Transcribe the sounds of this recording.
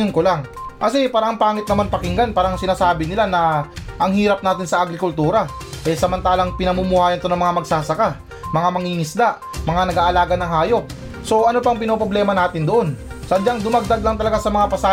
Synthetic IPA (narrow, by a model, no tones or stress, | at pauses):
nkolaŋkɐsɛpaːɾɐʔɐŋpaːŋɪt̪̚nɐmanpɐkɪŋɡanpaːɾɐɐŋsɪnaːsaːbɪnɪlanɐʔɐŋhiːɾɐp̚naːt̪ɪnsɐʔɐɡɾɪkʊlt̪uːɾɐ | ʔɛsɐmɐnt̪aːlɐŋpɪnɐmuːmʊhaːjɐnt̪o̞nɐŋmɐŋamɐɡsaːsɐka | mɐŋamɐŋiŋɪsd̪aʔ | mɐŋanɐɡaːʔɐlaːɡɐnɐŋɦhaːjo̞k̚ | so̞ʔɐnopɐŋpɪnopɾoblɛːmɐnaːt̪ɪnd̪oʔo̞n | sɐɐnd͡ʒaŋd̪ʊmɐɡ̚d̪aɡ̪̚lɐŋt̪ɐlɐɡasɐmɐŋapɐsa